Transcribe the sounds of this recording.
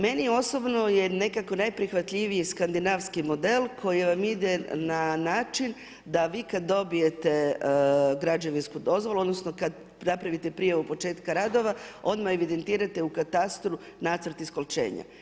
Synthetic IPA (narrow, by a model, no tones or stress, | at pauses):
me̞nio̞so̞bno̞je̞ne̞kako̞najpɾixʋat̪ʎʲiʋijiskand̪inaʋskimo̞d̪e̞lkʰo̞jiʋamid̪e̞nanaːt͡ʃin | d̪aʋiːkad̪ːo̞bije̞t̪e̞ | ɡɾad͡ʒeʋinskud̪o̞zʋo̞luo̞d̪no̞sno̞kad̪ | napɾaʋit̪e̞pɾijaʋupo̞t͡ʃe̞ːt̪kaɾad̪o̞ʋao̞nd̪maeʋid̪e̞nt̪iːɾat̪e̞ukat̪ast̪ɾu | naːt̪səɾt̪isko̞lt͡ʃe̞̰ːɲa̰